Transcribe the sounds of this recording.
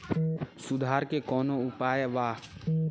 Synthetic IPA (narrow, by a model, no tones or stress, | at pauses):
sʊd̪ʱaːɾkekɔːnoʊpaːjʋaː